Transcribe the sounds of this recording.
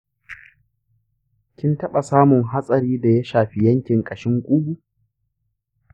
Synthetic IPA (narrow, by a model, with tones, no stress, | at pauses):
kʲɪ˦ntɐ˦ɓa˨saː˦mʊ˨ŋɦa˦sʼɐ˨ɾiː˦da˨ja˦ʃaː˨ɸi˦jɐ˦ŋkʲɪ˨ŋkʼɐ˨ʃɪ˦ŋkʷʼu˦ɡʷu˦